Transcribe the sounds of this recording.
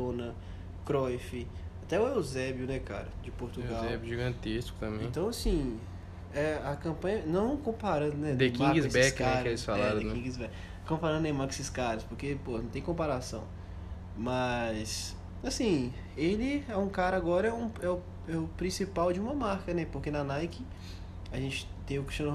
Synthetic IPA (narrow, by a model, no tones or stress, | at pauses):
õnɐ | kɾɔjfɪat̪ɛwewzɛbjʊnɛka̰ɾɐd͡ʒɪpoɾt̪uɡaɛbjʊʒiɡɐ̃nt̪eskʊ̥t̪ɐ̃mẽẽt̪ɐ̃w̃asĩ | ɛɐkɐ̃pɐ̃ɲɐnɐ̃w̃kõpaɾɐ̃d̪ʊnɛd̪ekmãkɡisbɛskaɾelɪsfalaɛɾ̃ẽnkĩɡizbɛk | kõpaɾɐ̃nd̪ʊẽmaksɪskaɾɐspoɾkepohɐnɐ̃w̃t̪ẽj̃kõpaɾasɐ̰̃w̃ | mɐs | asĩ | elɪɛũkaɾɐaɡɔɾɐɛũɛʊ | ɛʊpɾĩsipawd͡ʒɪũmɐmaɾkɐnɛpoɾkenɐnajkɪ | aʒẽt͡ʃɪ̥t̪ẽj̃ʊkɪ̥ʃɐ̃n